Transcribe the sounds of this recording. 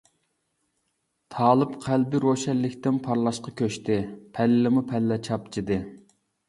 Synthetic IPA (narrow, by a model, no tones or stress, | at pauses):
t̪ʰɑːlˠɨpqʰælbɪɾoʃɛlːɪkʲt̪ɪnpʰɑɾlˠɑʃqɑkʲøʃt̪ɪpʰɛlːɪmupʰɛlːɛt͡ʃʰɑp̚t͡ʃʰid̪ɨ